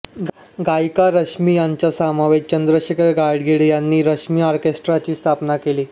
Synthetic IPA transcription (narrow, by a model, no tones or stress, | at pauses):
ɡajkaɾəʂmiːjaɲt͡ɕjasamaʋet͡ɕənd̪ɾəɕikəɾɡajɖɡʱeɭijanːiːɾəʂmiːɔɾkesʈɾat͡ɕiːst̪ʰapnakeliː